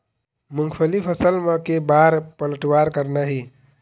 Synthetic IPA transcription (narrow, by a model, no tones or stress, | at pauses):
muŋɡʰpʰəlipʰəsəlmekebaɾpələʈwaɾkəɾnəɦi